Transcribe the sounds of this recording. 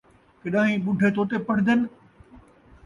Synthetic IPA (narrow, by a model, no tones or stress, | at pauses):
kɐɗãːĩɓʊɖʱet̪ʰoːt̪epɐɽ̤̃ɪd̪ənɪ̆